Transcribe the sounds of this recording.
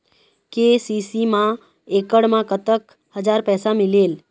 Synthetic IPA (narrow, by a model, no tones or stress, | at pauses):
kesisimã | ekəɽmãkət̪ək | həd͡ʒaːɾpɛːsamɪleːl